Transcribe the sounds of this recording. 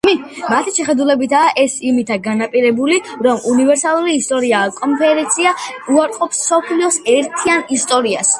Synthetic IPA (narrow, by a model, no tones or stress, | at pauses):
mimat̪ʰiʃɛχɛd̪ulɛbit̪ʰaːʔɛsimit̪ʰaɡanapʼiɾɛbuliɾɔmʔunivɛɾsalˠuɾiːst̪ʼɔɾiakʼɔnpʰɛɾɛnt̪sʰiauaɾqʼɔpsːɔpʰliɔsɛɾt̪ʰianist̪ʼɔɾias